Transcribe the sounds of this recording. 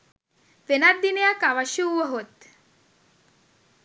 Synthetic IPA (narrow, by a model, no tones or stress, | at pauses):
ʋenad̪ːinejakaʋaʃuʋəɦot̪